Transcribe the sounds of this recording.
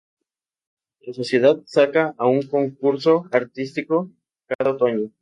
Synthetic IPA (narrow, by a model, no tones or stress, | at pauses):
laso̞sje̞ð̞að̚sakaauŋko̞ŋkuɾso̞aɾt̪ist̪iko̞ | kaðaot̪oɲo